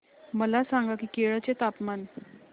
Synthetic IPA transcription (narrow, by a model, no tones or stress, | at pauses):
məlasaŋɡakiːkeɭət͡set̪apman